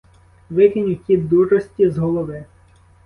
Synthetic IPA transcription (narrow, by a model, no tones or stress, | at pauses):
ʋɪkɪnʲukʲid̪urɔsʲtʲizɦɔlˠɔʋɪ